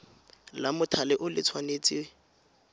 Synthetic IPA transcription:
lamʊtʰalɪʔʊlɪt͡sʰwanet͡sʼɪ

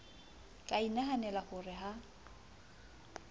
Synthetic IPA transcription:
kʼainaɦanɛlaχʊrɪɦa

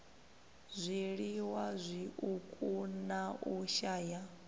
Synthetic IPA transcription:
zʷiɺiwazʷiʔukʼunaʔuʃaːja

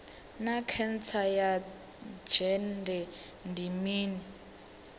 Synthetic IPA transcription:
nakʰɛnt͡sʰaja | d͡ʒɛndɛ | ndimiːni

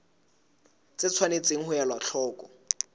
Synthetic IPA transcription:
t͡sɪt͡sʰwanet͡seŋ̩hʊjalwaɬʰɔːkʼɔ

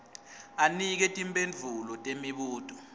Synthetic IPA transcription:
anik̬ɛtʼimpʼend͡ɮʱulɔtʼemiɓuːtʼɔ̥

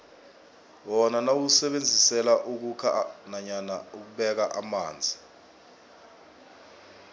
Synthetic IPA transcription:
wɔnanawusɛɓend͡zʱisɛlaʔuk̬ukʰa̰naɲanauk̬uɓɛk̬aʔamaːnd͡zʱi

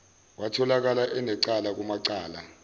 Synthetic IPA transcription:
watʰɔlak̬alaʔɛnɛǀalak̬umaǀaːla

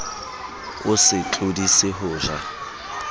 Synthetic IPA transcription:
ʊsɪt͡ɬʼʊdisɪɦʊːza

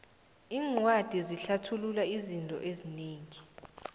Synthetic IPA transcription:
iːŋwad̥ʱiziɬatʰululaizintʼɔ̰ʔezineːŋi

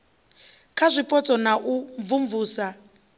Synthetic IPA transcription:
kʰazʷipʼɔt͡sʼɔnaʔuɱvuɱvuːsa

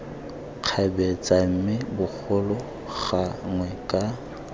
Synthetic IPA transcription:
q͡χʰabɛt͡sʼam̩mɪbʊk͡xʰʊlʊ | ɣaŋwɛkʼa

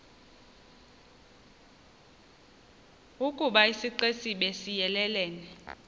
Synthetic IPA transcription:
ukʼuɓaisiǃesiɓesijɛlɛlɛːnɛ

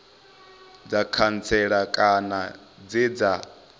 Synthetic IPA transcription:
d͡zakʰant͡sʰɛɺakʼana | d͡zid͡za

